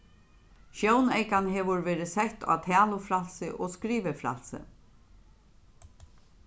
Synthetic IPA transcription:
ʃjownejkanɦɛːʋʊɹvʋɛːɾɪsɛht̪ʰa̰ːt̪ʰæːlʊfɾal̥sɪʔɔːskɾiːʋɪfɾa̰l̥sɪ̰

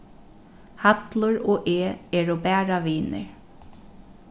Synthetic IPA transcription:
hat̪lʊɹoːʔeːɛːɹɔbæːɹaʋiːnɪ̰ɹ

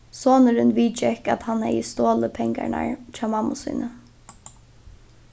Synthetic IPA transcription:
soːnəɾɪnʋiːt͡ʃɛka̰t̪hanhɛ̰jəst̪oːləpʰɛŋka̰ɳa̰ɹt͡ʃʰaːmamːʊsṵːnə

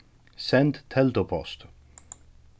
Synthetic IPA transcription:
sɛnt̪t̪ʰɛlt̪opʰɔst̪

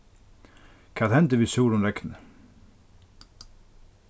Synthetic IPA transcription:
kʰaːðhɛnt̪əvisuːɾʊnɾɛknə

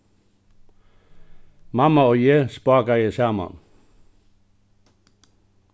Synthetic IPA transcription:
mɑmɑoːjespɑːɡajesæmɑ̰n

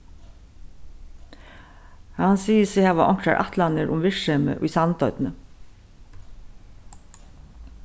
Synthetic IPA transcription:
hansiːəsɪhaːʋaʔɔŋ̥kɾaɹʔa̰ht̪lanəɾʔʊ̰mʋɪɹʃɛmə̰ʔʊ̰jsant̪œʏt̪nə

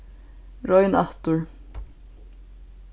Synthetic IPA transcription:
ɾɔjna̰ht̪ʊɹ

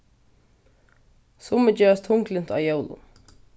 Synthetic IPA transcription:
sʊməd͡ʒɛːɹast̪ʰʊŋklɪn̥t̪a̰ːjowlʊ̰

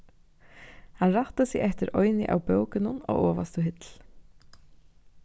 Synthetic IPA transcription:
hɑnɾaht̪asɪɣʔɛht̪ɪɾʔɔʏnɪ̰ʔa̰wpœwkɪnʊno̰ːɣɔːʋa̰st̪ʊɦɪt̪l̥

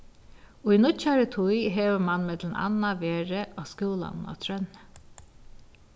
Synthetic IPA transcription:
uinʊt͡ʃaɾət̪ʰujɦeːʋəmanmɛt̪lna̰naʋeːɹəʔɔskuːla̰nna̰t̪ʰɾœn

